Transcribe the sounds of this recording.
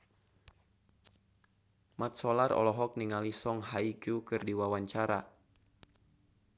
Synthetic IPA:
mat̪̚sɔlarɔ̰lɔɦɔk̚niŋalisɔŋɦaikukɨrdiwawaɲt͡ʃaɾa̰

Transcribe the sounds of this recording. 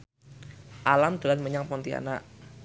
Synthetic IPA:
ʔalamd̪̥əlanməɲaŋpɔnt̪ia̰naʔ

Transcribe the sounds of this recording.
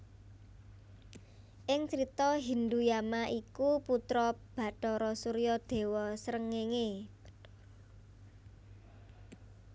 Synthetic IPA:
ʔɪŋt͡ʃɾit̪ɔɦind̪ujamaʔikuput̪ɾɔb̥ä̤ʈɔɾɔsuɾijɔd̪̥e̤wɔsɾəŋeŋe

